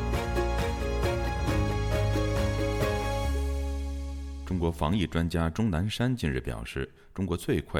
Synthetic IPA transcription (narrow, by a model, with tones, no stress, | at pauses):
ʈ͡ʂʊ˥ŋkwɔ˧˥fɑ˧˥ŋi˥˩ʈ͡ʂwa˥nt͡ɕja˥ʈ͡ʂʊ˥ŋna˧˥nʂa˥nt͡ɕi˥˧nɻ̩˥˩pjɑ̰˨˩ʊʂɻ̩˥˩ | ʈ͡ʂʊ˥ŋkwɔ˧˥t͡swe˥˧ɪkʰwa˥˩